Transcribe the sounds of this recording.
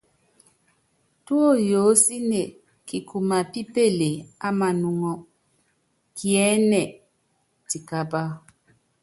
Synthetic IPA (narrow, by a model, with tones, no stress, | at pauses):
tu˦o˦˨jo˨˦si˦ne˨ | ki˨kʰu˨ma˨pi˦pe˦˨le˨a˦ma˨nu˨ŋɔ˨ | ki˨ɛ˦nɛ˨ | ti˨ka˦ba˦